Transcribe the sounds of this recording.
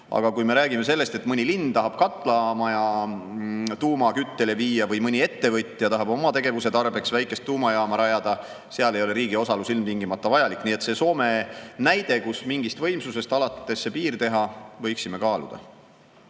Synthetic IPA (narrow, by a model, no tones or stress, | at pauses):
ɑ̰ɡ̥ɑkujme̞ɾæːɡ̥ime̞se̞lːe̞st̪e̞t̪ːˑmɤnʲilind̪t̪ɑɦɑb̥kɑt̪ːˑlɑɑmɑjɑ | t̪uːmɑkyt̪ːe̞le̞viːjɑvɤjmɤnʲie̞t̪ːe̞vɤt̪ʲːˑɑjɑt̪ɑɦɑb̥o̞mɑt̪e̞ɡ̥e̞vuse̞t̪ɑrb̥e̞ksvæjkːˑe̞st̪ːuːmɑjɑːmɑɾɑjɑd̪̥ɑ | seɑle̞jo̞le̞ɾiːɡ̥io̞sɑlusilmt̪iŋɡimɑt̪ːˑɑvɑjɑlikːˑniːet̪se̞so̞ːme̞næjd̪e̞kusmiŋɡist̪vɤjmsuse̞st̪ɑlɑt̪ːe̞sːe̞piːrt̪e̞ɦɑvɤjksime̞kɑːlṵd̪̥ɑ̰